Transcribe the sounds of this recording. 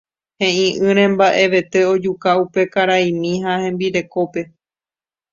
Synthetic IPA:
hẽ̞ʔĩʔɨ̃ɾ̃ẽ̞mbaʔe̞ʋe̞t̪e̞o̞d͡ʒukaupe̞kaɾaĩmĩɦahẽmbiɾe̞ko̞pe̞

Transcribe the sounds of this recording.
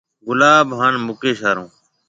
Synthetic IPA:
ɡʊlaːbɦaːnmʊkeːʃaːɾõː

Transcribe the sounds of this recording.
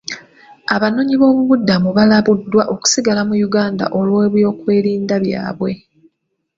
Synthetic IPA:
aβano̞ːɲiβo̞ːβuβudːamuβalaβudːwaʔo̞ku̥siɡalamujuɡaːnda̰ʔolwe̞ːβjo̞ːkwe̞ːɾiːndaβja̰ːβwe̞

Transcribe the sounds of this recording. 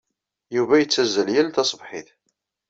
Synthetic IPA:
juvæjət͡sːæzːəljælt̪ɑsˤbħiθ

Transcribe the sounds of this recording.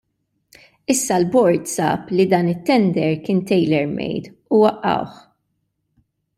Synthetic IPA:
ɪsːɐlbɔɾt̪sɐ̰ːplid̪ɐːnɪt̪ːɛnd̪ɛɾkɪːnt̪ɛjlɛɾmɛ̰jt̪ | uwɐʔːɐ̰wħ

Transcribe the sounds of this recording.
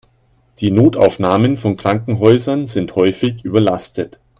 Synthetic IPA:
d̥iːnoːta̰ʊfnaːmənfɔnkʁ̥aŋkŋ̩ɦɔʏzɐnzɪnthɔʏfɪçʔyːbɐlastət

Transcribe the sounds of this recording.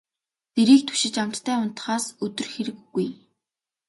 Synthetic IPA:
t̪eɾiːk̚t̪ʰɵ̥ʃɪ̆t͡ɕam̥t̪ːʰæːʊn̥t̪ə̥̆χaːsɵt̪ɵ̆rxeɾɘ̆kːuj

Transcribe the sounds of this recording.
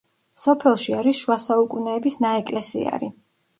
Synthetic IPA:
sɔpʰɛlˠʃiaɾisʃuasaukʼunɛːbisnaɛkʼlɛsḭa̰ɾi

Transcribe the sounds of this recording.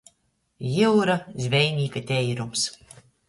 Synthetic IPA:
jiwɾazʲvʲɛjmʲiːkat̪ʲɛjɾums

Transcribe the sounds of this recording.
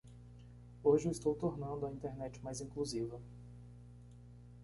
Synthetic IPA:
oʒɪwɪst̪owt̪oɾnɐ̃nd̪ʊɐĩnt̪eɾnɛt͡ʃɪ̥majzĩkluzivɐ

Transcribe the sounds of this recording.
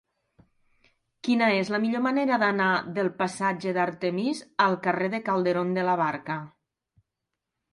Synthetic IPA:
kinaezlamiʎomaneɾaðanaðelˠpasad͡ʒeðaɾt̪emizalˠkareðekalˠd̪eɾond̪əlaβ̞aɾka

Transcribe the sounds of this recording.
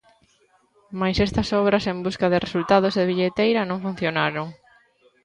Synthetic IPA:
majsest̪ɐsɔβ̞ɾɐsembuskɐðɪresult̪að̞ozðeβiʎet̪ejɾɐnõŋfun̟θjonaɾoŋ

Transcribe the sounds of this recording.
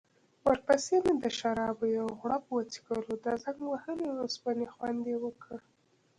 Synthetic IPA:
wəɾpəsemed̪əʃaɾɑbojawɣɽapəwat͡si̥ɡəlod̪əzaŋɡwahəleɾospanexwand̪ewəkʰə

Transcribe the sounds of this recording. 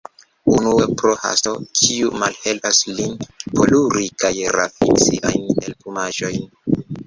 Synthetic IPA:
unuepɾoha̰sto̞kʰiumalhe̞lpaslinpʰo̞luɾikajɾa̰fint͡siʔa̰jnelpumaʒo̞jn

